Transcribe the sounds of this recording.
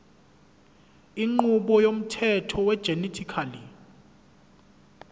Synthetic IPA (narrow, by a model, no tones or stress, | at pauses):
iŋ͡ǃuɓɔjom̩tʰɛtʰɔwɛd̥ʒ̥ʱenitʰikʰali